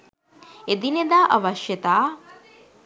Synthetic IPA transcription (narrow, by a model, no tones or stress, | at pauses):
ed̪ined̪aːʔɐʋɐʃjɐt̪aː